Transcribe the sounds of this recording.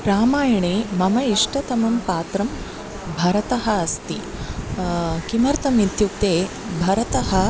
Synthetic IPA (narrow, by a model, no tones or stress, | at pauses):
ɾaːmaːjɐɳeːmɐmɐiʂʈɐt̪ɐmɐmpaːt̪ɾɐm | bʱɐɾɐt̪ɐɦɐɐst̪i | kimɐɾt̪ɐmid̪ʱjuk̚t̪eː | bʱɐɾɐt̪ɐɦɐ